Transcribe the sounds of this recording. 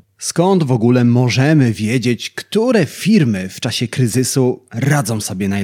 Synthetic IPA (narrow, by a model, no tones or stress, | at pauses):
skɔnd̪vɔɡulɛmɔʐɛmɘvʲjɛd͡ʑet͡ɕkt̪uɾɛfʲiɾmɘft͡ʂaɕɛkɾɘzɘsuɾad̪zɔ̃w̃sɔbʲjɛnaj